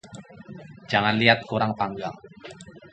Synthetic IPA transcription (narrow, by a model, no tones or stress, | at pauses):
d̥d͡ʒ̥a̤ŋanliat̪̚kuɾaŋpaŋɡaŋ